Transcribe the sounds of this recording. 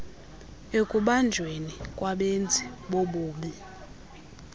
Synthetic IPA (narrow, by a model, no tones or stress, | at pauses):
ekʼuɓand͡ʒʱwenikʼwaɓend͡zʱiɓoɓuːɓi